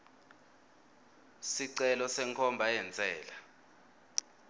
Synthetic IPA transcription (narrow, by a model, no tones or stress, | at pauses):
siǀɛlɔsɛŋkʰɔmbʱajɛnt͡sʼɛːla